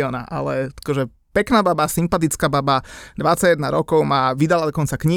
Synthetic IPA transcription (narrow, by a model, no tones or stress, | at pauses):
ɔːna̰ʔa̰lɛḁkɔʒɛ | pɛknaːbabasimpat̪̬it͡skaːbabad̪ʋat͡saɟjɛd̪naɾɔkɔʊmaʋid̪alad̪ɔkɔnt͡sakɲi